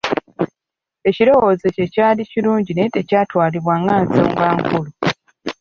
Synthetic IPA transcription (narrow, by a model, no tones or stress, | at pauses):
e̞ciɾo̞wo̞ːzece̞caːliciluːɲɟinetecaːtwaːliβwaːŋɡaːnzo̰ːŋɡaːŋkulu